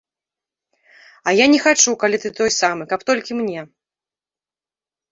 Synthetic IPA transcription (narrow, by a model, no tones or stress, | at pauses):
ɐjanʲɛxat͡ʂukalʲit̪ɨt̪ɔjsamɨkɐpt̪ɔlʲkʲimnʲɛ